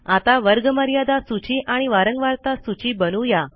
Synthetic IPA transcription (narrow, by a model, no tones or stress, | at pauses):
at̪aʋəɾɡəməɾjad̪asut͡ɕiːʔaɽ̃iʋaɾəŋɡʋaɾt̪asut͡ɕiːbənuja